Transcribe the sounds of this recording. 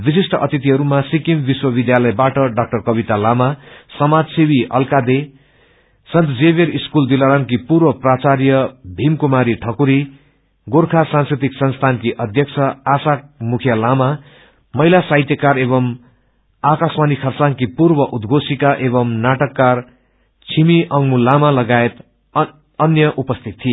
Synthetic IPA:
bisisʈʰʌʔʌt̪it̪iɦʌɾumasikimbiswʌbid̪jalʌjbaʈʌɖak̚ʈʌrkʌbit̪alamasʌmad͡zsibiʔʌ̰lkad̪e | sʌnt̪d͡zeβeɾiskuld̪ilaɾankipuɾwʌprat͡sarjʌbʱimkumaɾiʈʰʌkuɾi | ɡorkʰasãnskrit̪iksʌnst̪ʰankiʔʌd̪ʱjʌk̚t͡sʰʌasamukʰjʌlama | mʌjlasajt̪jʌkaɾeβʌm | akasmanikʰʌrt͡saŋkipurbʌʔud̪ɡʱosikaʔebʌmnaʈʌkːar | t͡sʰimiʔʌŋmulamalʌɡaet̪ | ʌnjʌʔupʌst̪ʰit̪ʰːie

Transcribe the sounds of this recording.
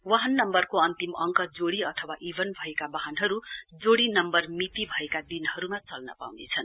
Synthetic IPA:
waɦʌnːʌmbʌrkoʌnt̪imʌŋkʌd͡zoɽiʌt̪ʰʌwaʔibʱʌnbʱʌekabaɦʌnɦʌɾud͡zoɽinʌmbʌrmit̪ibʱʌekad̪inɦʌɾumat͡sʌlnʌ̰pa̰wnet͡sʰʌn

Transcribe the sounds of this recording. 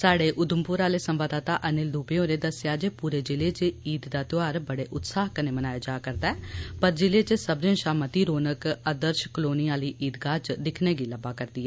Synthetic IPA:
saːɽeːʔʊd̪əmpʊɾaːleːsəmʋaːd̪aːt̪aːʔənɪld̪uːbeːõːɾeːd̪əsɪjaːd͡ʒeːpuːɾeːd͡ʒɪleːt͡ʃeiːd̪d̪aːt̪ɪaːɾbəɽeːʔʊt̪saːɦkəneːmənaːeːd͡ʒaːkəɾd̪aɛːpəɾd͡ʒɪleːt͡ʃsəbɾẽːʃaːmət̪iːɾoːnəkəd̪əɾʃkloːniːaːliːʔiːd̪ɡaːt͡ʃd̪ɪkʰneːɡiːləbaːkəɾd̪iːɛː

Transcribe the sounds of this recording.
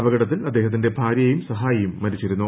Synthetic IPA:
ʋɐɡɐɽɐt̪ːilɐd̪ːe̞ːɦɐt̪̬ːinde̞bʱaːɾjɐjumsɐɦaːjɐjumːɐɾit͡ɕːiɾunːu

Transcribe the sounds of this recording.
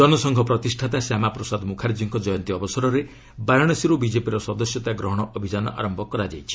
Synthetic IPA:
d͡ʒɔnɔsɔŋɡʱɔpɾɔt̪isʈʰat̪asjamapɾɔsad̪mukʰaɾd͡ʒiŋkɔd͡ʒɔjɔnt̪iɔbɔsɔɾɔɾe | baɾɔɽ̃ɔsiɾubid͡ʒepiɾɔsɔd̪ɔsjɔt̪aɡɾɔɦɔɽ̃ɔʔɔbʱid͡ʒanɔ̰ʔa̰ɾɔmbɔkɔɾad͡ʒajt͡ʃʰi̥

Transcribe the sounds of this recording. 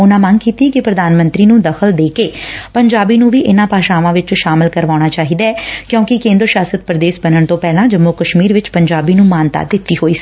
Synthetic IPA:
ʊnãːməŋkiːt̪iɛkɪpɾəd̪aːnmə̃nt̪ɾiːnũːd̪əkʰəld̪eːkeːpəɲd͡ʒaːbiːnũːʋiːʔɪnãːpaːʃãːʋãːʋɪt͡ʃʃaːmɪlkəɾʋaːɽ̃aːt͡ʃaːɦiːd̪aɛːkjõːkɪkẽːnd̪ɾəʃaːsət̪̚pɾəd̪eːsbənəɳt̪õːpɛːlãːd͡ʒəmːokəʃmiːɾʋɪt͡ʃpəɲd͡ʒaːbiːnũːmaːnt̪a̰ːd̪ɪt̪ːiːɦoːiːsi̥

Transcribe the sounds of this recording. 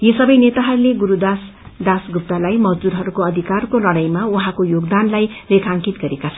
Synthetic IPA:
jesʌbʌjnet̪aɦʌɾuleɡuɾud̪as | d̪asɡʱup̚t̪alajmʌd͡zd̪uɾɦʌɾukoʌd̪ʱikarkolʌɽ̃ʌjmauɦãkojoɡd̪anlajrekʰãŋkit̪ɡʌɾekat͡sʰʌn

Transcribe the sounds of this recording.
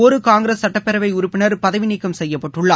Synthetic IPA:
ɔɾɯkaːŋɡɪɾɐsːɐʈːɐpːɛɾɐʋɐɪʊɾʊpːɪnɐɾpɐðɐʋɪnɪkːɐmsɛjːɐpːɐʈrɯɭːaː

